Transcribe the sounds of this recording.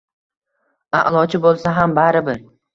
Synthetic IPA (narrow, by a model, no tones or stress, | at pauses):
a̰ʔlˠɒt͡ʃʰɪbolˠsaɦambaɾɪbɪɾ